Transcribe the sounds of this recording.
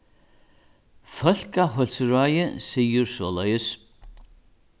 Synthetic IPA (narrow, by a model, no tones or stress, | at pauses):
fœl̥kaɦœlsɾajɪsiːjʏɾsɔːlœːjəs